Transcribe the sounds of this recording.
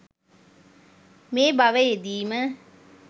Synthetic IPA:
meːbɐʋejed̪iːmə

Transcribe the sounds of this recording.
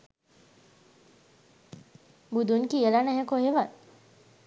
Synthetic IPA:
bud̪unkielaneɦekoɦeʋat̪

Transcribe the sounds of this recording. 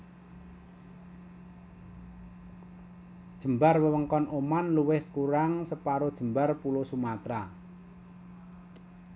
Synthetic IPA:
d̥ʒ̥ə̤mbarwəwəŋkɔnʔomanluwɪhkuɾaŋsəpaɾod̥ʒ̥ə̤mbarpulosumat̪ɾa̰

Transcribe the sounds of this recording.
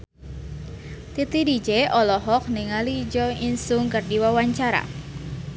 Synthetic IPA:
t̪it̪idid͡ʒeɔlɔɦɔk̚niŋalid͡ʒɔinsʊŋkərdiwawaɲt͡ʃaɾa̰

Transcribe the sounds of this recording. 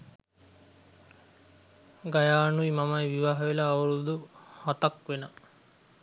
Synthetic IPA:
ɡajaːnuimamɐjʋiʋaɦɐʋelɐːwuɾud̪uhat̪ɐkʋenə

